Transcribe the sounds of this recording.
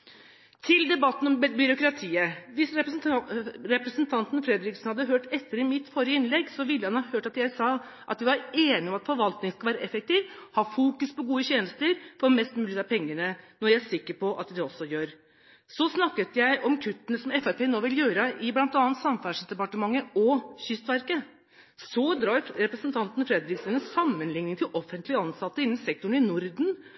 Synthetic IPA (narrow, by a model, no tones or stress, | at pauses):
t̪ʰɪld̪ɛbɑt̪ːn̩ɔmbʏɾʊkɾɑt̪ʰiːəʋɪsɾɛ | ɾɛpɾəsnt̪ʰɑnt̪n̩fɾɛd̪ɾɪksn̩hɑd̪ːəɦøːʈɛt̪ːəɾɪmɪt̪ːfɔɾɪəɪnlɛɡsɔʋɪlːəhɑnhɑhøːʈɑt̪jæɪsɑː | ʔɑ̰t̪ʋæʋɑɾeːnɪɔmɑt̪fɔɾʋɑlt̪nɪŋəskɑʋæːɾəʔɛfɛk̚t̪iːʋhɑːfuːkʉspɔɡuːəçeːnəst̪əɾfɔɾmɛst̪mʉːlɪt̪ʰɑɾpʰɛŋːəɳənɔɾjæɪæʂɪkːəɾpʰɔʔɑ̰t̪d̪ɛɔsːɔjøːɾ | sɔsnɑkːət̪jæɪʔɔmkʰʉt̪ːənəsɔmɛfæɾpeːnoːʋɪljøːɾəʔɪblɑnt̪ɑnːənt̪sɑmfæːʂd̪ɛpɑʈəmɑŋːəɔçʏst̪ʋæɾkə | sɔd̪ɾɑːɾɾɛpɾəsnt̪ʰɑnt̪n̩fɾɛd̪ɾɪksənəssɑmːənlɪŋnɪŋt̪ʰɪlʔɔfːənt̪lɪəɑnsɑt̪ːəɪnːnsɛk̚t̪ʊɳɪnʊɾd̪n̩